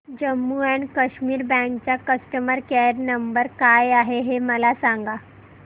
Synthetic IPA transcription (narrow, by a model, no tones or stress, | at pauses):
d͡ʑəmːuaɳkəɕmiːɾbɛ̃k̚t͡ɕjakəsʈəməɾkeɾnəmbəɾkajaɦeɦeməlasãŋɡa